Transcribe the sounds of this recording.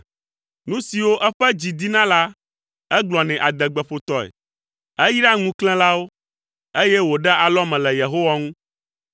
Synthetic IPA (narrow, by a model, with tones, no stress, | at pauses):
nũ˦si˨wo˦ʔɛ˦ɸɛ˦d͡ʑi˨d̪i˦nã˦la˦ | ɛ˦ɡ͡blɔ˨nɛ̃˨ʔa˨d̪ɛ˨ɡ͡bɛ˨ɸo˨t̪ɔ˦ɛ̰˨ | ɛ˦ji˦ɖa˦ŋũ˦klɛ̃˦la˦wo˦ | e˦jɛ˦wo˨ɖɛ˦a˨lɔ˦mɛ̃˨lɛ˨je˨ɦo˦wa˦ŋũ˦